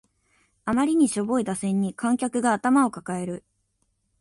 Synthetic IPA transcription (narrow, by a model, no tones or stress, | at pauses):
amaɾʲiɲ̟iɕo̞bo̞id̪asẽ̞ɲ̟ːikʰãŋkʲakɯ̟ɡaːt̪amao̞kakae̞ɾɯ̟